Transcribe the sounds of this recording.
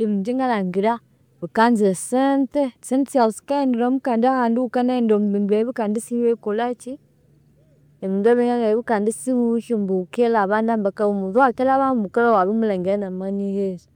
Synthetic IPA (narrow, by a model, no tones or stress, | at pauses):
imid͡ʒiŋɡalaŋɡiɾa | bikanziɾasɛntɛsɛnsaskaɛndiɾɔmukandahanduukanandɔmbiŋɛβikandisiekolat͡ʃi | ɛmiŋɡaβiŋaŋaβikandisiwuʃimbukɛlaβandambakaumuðuatɛlaβaumukaɾawaβimulɛŋɡɛnamanihezi